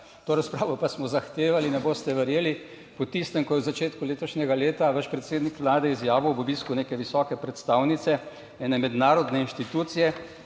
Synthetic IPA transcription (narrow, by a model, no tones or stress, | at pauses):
t̪oːɾaspɾaːʋɔpasmɔzaxt̪eːʋalinɛboːst̪ɛʋɛɾjeːli | pɔt̪ist̪ɛmkɔjɛwzat͡ʃeːt̪kuleːt̪ɔʃnʲɛɡaleːt̪aʋaʃpɾɛt̪seːd̪nikʋlaːd̪ɛizjaːʋɔbɔbiskuneːkɛʋisɔːkɛpɾɛt̪st̪aːwnit̪sɛ | ɛːnɛmɛd̪naːɾɔd̪nɛinʃt̪it̪uːt̪sijɛ